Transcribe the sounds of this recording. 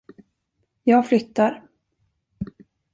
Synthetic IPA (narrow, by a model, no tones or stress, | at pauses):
jɑːɡflʏt̪ːaɾ